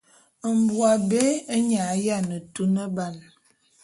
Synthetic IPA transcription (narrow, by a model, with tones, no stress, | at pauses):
ə˨m̩˨bwa˨be˦ə˦ɲa˨˦ja˦˨nə˨tu˦nə˦ba˨n